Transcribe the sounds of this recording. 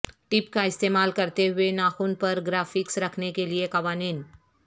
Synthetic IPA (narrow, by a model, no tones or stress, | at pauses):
ʈɪpkaɪst̪eːmaːlkɐɾt̪eɦʊenaːxuːnpɐɾɡɾaːfɪksɾɐkʰnekeliekɐʋaːniːn